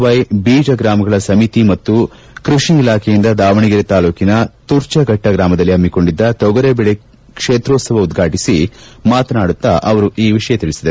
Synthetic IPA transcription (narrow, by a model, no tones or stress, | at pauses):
ʋɐjbiːd͡ʒɐɡɾaːmɐɡɐɭɐsɐmit̪imɐt̪ːu | kɾuʂniilaːkʰejind̪ɐd̪aːʋɐɳiɡiɾet̪aːluːkinɐt̪uɾt͡ʃɐɡʱɐʈːɐɡɾaːmɐd̪ɐlːiɐmːiko̞ɳɖid̪ːɐt̪ɔɡɐɾebɛɭe | kʂeːt̪ɾoːt̪sɐʋɐud̪ɡʱaːʈisimaːt̪ɐnaːɽut̪ːaʔɐʋɐɾuʔiːʋiʂɐjɐt̪iɭisid̪ɐ